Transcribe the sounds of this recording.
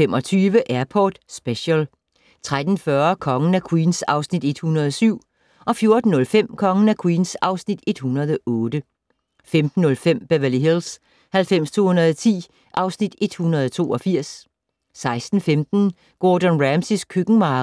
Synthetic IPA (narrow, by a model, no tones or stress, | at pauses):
femɒ̽t͡sʰyːʋəʔæɐpʰɒd̥sb̥eɕəl | t͡sʰʁad̥n̩fɶɐkʰɒ̽ŋənækʰwiːnsɑ̈ʊsnid̥e̝d̥hunɐðˠɒsyʊ̰ | ʔɒ̽fjo̝ɐd̥n̩ːɔ̽lfem̰kʰɒ̽ŋənækʰwiːnsɑ̈ʊsnid̥e̝d̥hunɐð̞ˠɒʔɔ̽ːd̥ə | femd̥n̩ːɔ̽lfem̰b̥æʋæliɦels | hælfem̰st͡sʰo̝̰ːhunɐðˠɒt͡sʰḭː | ʔɑ̈ʊsnid̥e̝d̥hunɐðˠt͡sʰo̝̰ːʔɒ̽fiɐ̰sː | ɑ̈ɪsd̥n̩femd̥n̩ | ɡ̥oːd̥ɔnʁæmsiskʰøɡ̥ŋ̩mɑː